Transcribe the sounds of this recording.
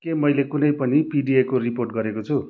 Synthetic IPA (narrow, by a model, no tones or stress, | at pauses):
kemʌjlekunʌjpʌnipiɖiekoriporʈ̚ɡʌɾekot͡sʰu